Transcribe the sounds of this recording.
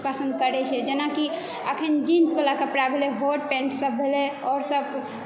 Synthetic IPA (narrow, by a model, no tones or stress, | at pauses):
pasə̃nd̪̚kəɾɛt͡ʃʰɛd͡ʒenaki | ə̰kʰənd͡ʒinsbelakepɾabʱeleɦoɖpɛ̃ɳʈsəbʱelɛɔɾsəb